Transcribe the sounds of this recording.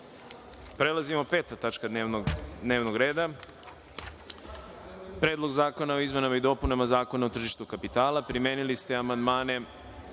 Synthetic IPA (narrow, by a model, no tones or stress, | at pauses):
pɾe̞lˠazimo̞pe̞ːt̪at̪at͡ʃka | d̪neːʋnoɡɾe̞ːd̪a | pɾeːd̪lˠo̞ɡzaːko̞nao̞izme̞namaid̪o̞punamazaːko̞naot̪r̩ʒiʃt̪ukapit̪aːlapɾimeːnilist̪eamand̪maːne̞